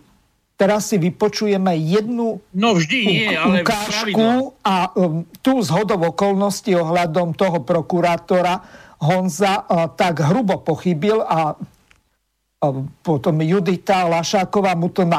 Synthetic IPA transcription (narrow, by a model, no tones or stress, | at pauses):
t̪ɛɾasːiʋipɔt͡ʃujɛmɛjɛd̪nuiukaːʃkuat̪uːzɦɔd̪ɔʊɔkɔlnɔsciɔɦlad̪ɔmt̪ɔɦɔpɾɔkuɾaːt̪ɔɾaɦɔnzat̪aɡɦɾubɔpɔxibila | pɔt̪ɔmjud̪it̪alaʃaːkɔʋaːmut̪ɔna